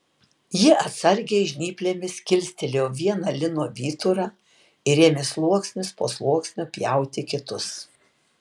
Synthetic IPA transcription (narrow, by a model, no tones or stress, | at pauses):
jɪʔɐt̪sɐɾʲɡʲɛɪʒʲnʲiːpʲlʲeːmʲɪskʲɪlʲsʲt̪ʲɪlʲeːʋʲiɛnɐlʲɪnoːʋʲiːt̪ʊɾɑː | ɪɾʲeɛmʲɪslˠuɔksʲnʲʊspoːslˠuɔksʲnʲʊpʲjæˑʊt̪ʲɪkʲɪt̪ʊs